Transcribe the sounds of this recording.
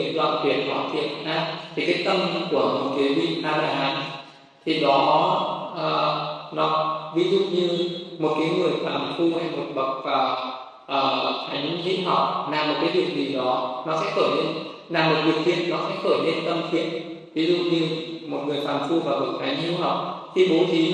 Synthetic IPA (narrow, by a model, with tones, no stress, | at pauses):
nlwa̰ː˧˨nt̪ʰwḭ˨ənkwa̰ː˧˨nt̪ʰwḭ˧˨ənʔaː˧t̪ʰi˨˩kaː˨˦jt̪ə˧mku˧˩əmo˨˩t̚kaː˨˦vḭ˧˨ʔaː˧laː˧˩haː˨˦n | t̪ʰi˨˩ɗɔ˨˦nɔ˨˦ʔəː˨˩nɔ˨˦vi˨˦zṵ˧˨ɲɨ˧mo˨˩t̚kaː˨˦jŋɨ˨˩əjfwaː˨˩nfu˧ha˧jnmo˨˩t̚ɓə˨˩t̚vaː˨˩ | ʔəː˨˩t̪ʰa˨˦jŋ̟ɦḭ˧˦˥p̚ɦa̰˨˩w̚naː˨˩mːo˨˩t̚kaː˨˦jɗi˧˨˩əwnzi˨˩ɗɔ˨˦nɔ˨˦sɛ̰˧˥xəː˧˩jne˧n | laː˨˩mo˨˩t̚kwi˨˩ək̚fʰḭ˨˧˨ənnːɔ˨˦sɛ̰˧˥xəː˧˩jne˧nt̪ə˧mt̪ʰḭ˧˨ənvi˨˦zṵ˧˨ɲɨ˧mo˨˩t̚ŋɨ˨˩əjfʰaː˨˩nfu˧vaː˨˩kɨ˨˩ək̚t̪ʰa˨˦jŋhi˨˦əwhɦa˨˩˨wk͡p̚t̪ʰi˧˩ɓo˨˦t͡ɕʰi˨˦